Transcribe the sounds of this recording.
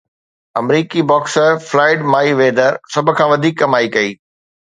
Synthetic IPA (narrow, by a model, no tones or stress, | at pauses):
ɐmɾiːkibɔːksəɾflaːɪɖmaːiʋeːd̪əɾsɐbʱʊ̆kʰãːʋɐd̪ʱiːkːɐmaːikɐiː